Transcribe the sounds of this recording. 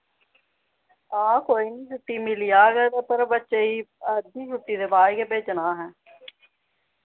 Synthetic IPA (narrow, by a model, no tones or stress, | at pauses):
ãːkoːiːnĩːt͡ʃʊʈːiːmɪlijaːɡɛːt̪aːpəɾbətːʃeːiːəd̪nĩːt͡ʃʊʈːiːd̪eːbaːikeːpeːt͡ʃnaːɦɛ̃ː